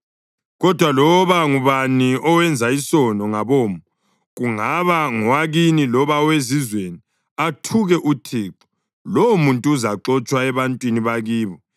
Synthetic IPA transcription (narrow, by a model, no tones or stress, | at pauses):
ɣɔd̥ʱwalɔβaŋuβaniʔɔwɛnd͡zʱaisɔnɔŋaβoːmu | ɣuŋaβaŋɔwaɣinilɔβawezizweni | atʰuɣɛʔutʰiːǁɔ̥ | lɔwumuntʼuːzaǁɔt͡ʃʼwaɛβantʼwiniβaɣiːβɔ